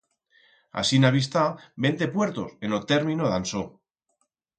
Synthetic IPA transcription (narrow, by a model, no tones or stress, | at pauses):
a̰sinaβis̬t̪abe̞nt̪e̞pwe̞ɾt̪o̞se̞not̪e̞ɾmĩnoðanso